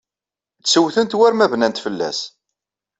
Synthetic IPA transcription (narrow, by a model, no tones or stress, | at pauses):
t͡ssəwθənt̪wæɾmævnænt̪fəlːæ̰s